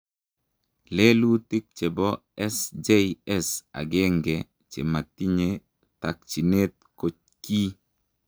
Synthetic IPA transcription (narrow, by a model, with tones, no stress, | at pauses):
le˦lu˦ti˦k̚t͡ʃe˨bɔ˦ | ɛ˦sd͡ʒe˦iɛ˦sa̰˨ɡe˦ŋɡɛ˨ | t͡ʃḛ˨ma˨ti˦ɲe˨ | ta˨k̚t͡ʃi˨ne˦t̪̚ko˨t͡ʃ̚ | ki˦